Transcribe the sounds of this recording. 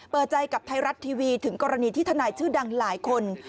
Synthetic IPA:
pɤː˨˩t̪̚t͡ɕa˧jka˨˩p̚t̪ʰa˧jɾa˦˥t̪ʰːiː˧wiː˧t̪ʰɯ˩˦ŋkɔː˧ɾa˧niː˧t̪ʰiː˥˩t̪ʰa˧naː˧jt͡ɕʰɯː˥˩da˧ŋlaː˩˦jkʰo˧n

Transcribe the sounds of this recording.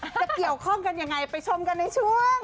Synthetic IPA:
a˨˩ki˨˩əwkʰɔ˥˩ŋka˧nja˧ŋːa˧jpa˧jt͡ɕʰo˧mka˧nːa˧jt͡ɕʰu˥˩əŋ

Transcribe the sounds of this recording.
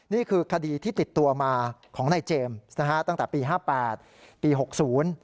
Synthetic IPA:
niː˥˩kʰɯː˧kʰa˧diː˧t̪ʰiː˥˩t̪i˨˩t̪ːu˧ɐmaː˧kʰɔː˩˦ŋna˧jt͡ɕeː˧ma˦˥kʰa˦˥ʔt̪a˥˩ŋt̪ɛː˨˩piː˧ɦaː˥˩pɛː˨˩t̪̚ | piː˧ɦo˨˩k̚suː˩˦˥n

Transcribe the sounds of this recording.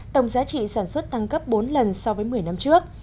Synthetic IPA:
t̪ə˧˩wŋ͡mzaː˨˦t͡ɕḭ˧˨saː˧˩nswə˦˥t̚t̪a˧ŋkə˦˥p̚ɓo˨˦nlə˨˩nsɔ˧vəː˨˦jmɨ˨˩əjna˧mt͡ɕɨ˦˥ək̚

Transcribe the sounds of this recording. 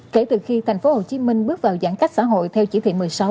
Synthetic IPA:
ke˧˩t̪ɨ˨˩xi˧t̪ʰa˨˩j̟fo˨˦ho˨˩t͡ɕi˨˦mï˧ŋ̟ɓɨ˦˥ək̚vaː˨˩wza̰ː˧˩ŋka˦˥k̚sa̰ː˧˥ɦo̰˧˨jt̪ʰɛ˧wt͡ɕi˧˥˩t̪ʰḭ˧˨m˨˩əjsa˨˦w

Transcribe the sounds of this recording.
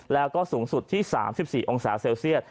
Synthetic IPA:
lɛː˦˥wkɔː˥˩suː˩˦ŋsu˨˩t̪ʰːiː˥˩sa̰ː˩˦msi˨˩p̚siː˨˩ʔo˧ŋsaː˩˦seː˧wsi˥˩ət̪̚

